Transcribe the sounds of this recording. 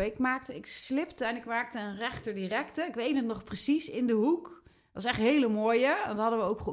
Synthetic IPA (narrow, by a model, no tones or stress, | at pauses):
ɪkmaːk̚təɪkslɪptəɛnɪkmaːk̚təənrɛχtəɹdirɛktəɪkʋejtnətnɔχprəsisɪndəɦuk | tʋɑsɛχtɦejləmoːjədtɦɑdəʋəowkχ